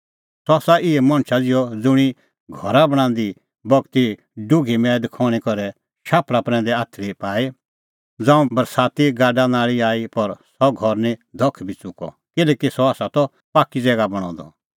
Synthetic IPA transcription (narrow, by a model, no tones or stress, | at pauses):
sɔaːsaʔɪɛmɐ̃ɳ̃t͡ʃʰad͡zɪjɔd͡zʊɽ̃i | ɡʱɔɾabɐɽ̃ãːnd̪i | bɔɡt̪i | ɖʊɡʱimɛːd̪ɪkʰɔːɽ̃ikɔɾɛ | ʃaːplapɾɛ̃nd̪ɛaːt̪ʰɾipaːi | d͡zãːũbɐɾsaːt̪iɡaːɖanaːɭiaːipɐɾsɔɡʱɔɾnĩd̪ʱɔkʰbʱit͡sʊkɔ̰ | kɪlɛːkisɔaːsat̪ɔ | paːkid͡zɛːɡabɐɽ̃ɔ̰̃ːd̪ɔ̰